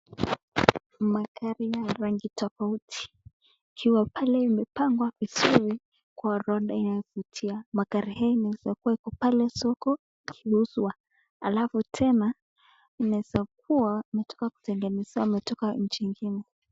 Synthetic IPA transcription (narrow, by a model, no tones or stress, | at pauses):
makaɾijaɾaŋɡitɔfautʰi̥ː | kʰiwapalɛimɛpaŋɡwavizuɾi | kwaɾɔɗainajɔvutʰiamaɡaɾihaɔinaɛzakuwaikɔpalɛsɔkɔ | kʰiuswa | a̰lafutʰɛna | inaɛzak̚uaimɛtʰɔ̥kaku̥tɛŋɡɛniswamɛtɔkaɲ̩t͡ʃiŋɡinɛ